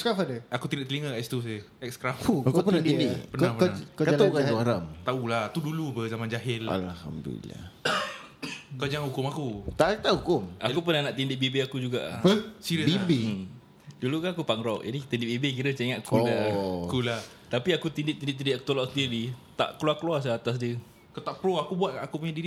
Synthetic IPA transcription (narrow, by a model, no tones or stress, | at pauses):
skɾafadəakut̪indɪʔt̪əliŋəɛst̪useɛkskɾafuakupənand̪idɪpənapənakəaakaaɾamt̪aulaht̪udulupəzamand͡ʒaɦɪla̰lha̰mdṵla̰ | kəd͡ʒaŋhukʊmakut̪at̪aʔhukʊmakup̬ənahnaʔt̪indɪʔbibeakud͡ʒuɡaʔsiɾəbibe | dulukanakupaŋɾɔʔa̰nit̪indɪʔbebek̬iɾət͡ʃeŋaʔkulakulah | t̪apiakut̪indɪʔt̪indɪʔ̚t̪̬indiʔaku̥t̪olɔʔsəndiɾit̪a̰ʔkluakluas̬aat̪as̬diə | kat̪aʔpɾoakubuat̪̚kaʔakupuɲadiɾi